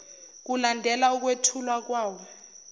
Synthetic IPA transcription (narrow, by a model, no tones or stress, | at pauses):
k̬ulandʱɛlauk̬wetʰulwak̬waːwɔ